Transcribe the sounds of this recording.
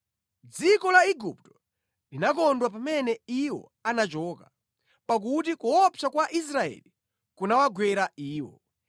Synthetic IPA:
d͡zikɔlaiɡup̚tɔ̥ | linak̬ɔndwap̬amɛnɛiwɔ̰ | anat͡ʃɔːka | pak̬ut̬ikuɔpʰakwaʔis̬ɾaɛ̰li | kunawaɡwɛɾaiːwɔ̰

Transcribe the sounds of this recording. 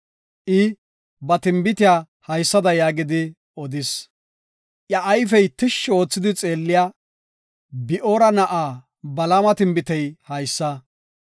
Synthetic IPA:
ʔɪ | bɐt̪ɪmbɪt̪ɪjaː | hɐjsːɐd̪ɐjaːɡɪd̪ɪ | ɔd̪ɪs | ʔjɐʔːjfɛjt̪ɪʃːɪo̞ːt͡sːɪd̪ɪt͡sʼeːlːɪjaː | bɪʔoːɾɐnɐʔaː | bɐlamɐt̪ɪmbɪt̪ɛjhɐjsːɐ

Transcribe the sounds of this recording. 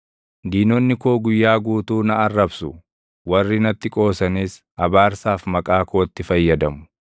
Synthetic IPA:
d̪iːnɔnːɪkoːɡʊjːaːɡuːt̪uːnɐʔɐrːɐbsʊ | wɐrːɪnɐt̪ːɪkʼo̞ːsɐniːs | ɐbaːɾsaːfmɐkʼaːkʰoːt̪ːɪfɐjːɐd̪ɐmʊ̥

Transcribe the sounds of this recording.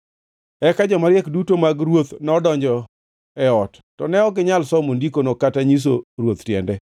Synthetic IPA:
ɛkad͡ʒɔmaɾjɛkdutomaɡɾwot̪nɔdɔɲd͡ʒɔ | ɛɔtːɔnɛɔɡɪɲalsɔmondikonokataɲis̬orwot̪tjɛ̰ndɛ

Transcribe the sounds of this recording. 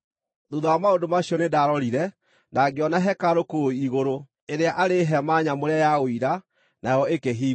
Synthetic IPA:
ðuðaamaondomaɕjɔnedaɾɔɾiɾɛ | naɡeɔnaɦɛkaɾokoiɣoɾo | eɾeaʔaɾeɦɛmaɲamoɾeajaɣoiɾa | najɔekeɦiː

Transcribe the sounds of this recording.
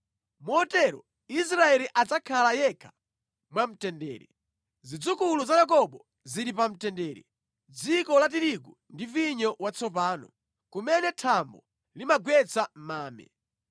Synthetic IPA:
mɔɔtɛɾɔ̰ | is̬ɾaɛliʔad͡zakʰalajɛkʰḁ | mwam̩tɛndɛ̰ːɾɛ | zid͡zukuluzajak̬ɔɓɔ | ziɾipam̩tɛndɛːɾɛ̰ | d͡zikɔlat̬iɾiku | ndiviɲɔwat͡sʰɔpaːnɔ̰ | kumɛnɛtʰambɔ | limaɡwɛt͡sam̩maːmɛ̰

